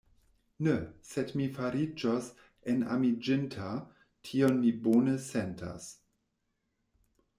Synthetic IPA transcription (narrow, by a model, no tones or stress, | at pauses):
nesedmifaɾid͡ʒos | ena̰mid͡ʒɪntʰa | tʰionmibonəsentʰa̰s